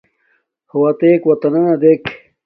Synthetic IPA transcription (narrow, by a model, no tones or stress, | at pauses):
huwɐt̪eːkwɐt̪ɐnɐnɐd̪ek